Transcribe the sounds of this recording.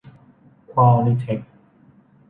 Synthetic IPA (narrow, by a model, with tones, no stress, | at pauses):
kʰwaː˧mli˧˩t̪ʰe˨˦˥k̚